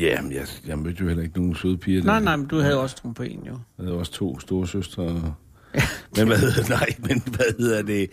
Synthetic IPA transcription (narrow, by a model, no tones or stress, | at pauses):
jæjɑjɑ̈ɪmøð̥ˠjohel̰ɐe̝ɡ̥əno̝ːn̩søð̞ˠpʰiːɐnɑ̈ɪ̰nɑ̈ɪ̰mend̥uhæð̩ˠjoɒ̽st͡sʁompʰḛnjoæð̩ˠjoɒ̽st͡sʰo̝̰ːsd̥o̝ːɐsøsd̥ʁɐ | menʋæheð̰ˠnɑ̈ɪ̰menʋæheð̰ˠɐd̥e̝